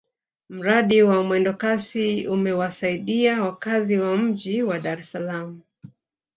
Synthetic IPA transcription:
m̩ɾaɗiwamwɛndɔkasiumɛwasaiɗiawakaziwam̩ʄiwaɗaɾɛsalamu

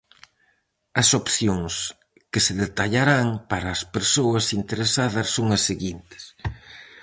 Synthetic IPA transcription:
ɐsopθjoŋs | kɪseðet̪aʎaɾaŋpaɾɐːspeɾsoɐsint̪eɾesaðɐsːoŋɐsːeɣint̪ɪ̥s

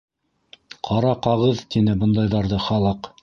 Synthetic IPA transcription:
qʰɑɾɑqɑʁɤðt̪inɘbɤ̆nd̪ɑjðɑɾðɤχɑlˠɤq

